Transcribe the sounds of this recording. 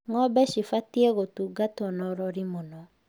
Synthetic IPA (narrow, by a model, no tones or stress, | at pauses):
ŋɔbɛʃifatiɛɣotuːɡatɔnɔɾɔɾimonɔ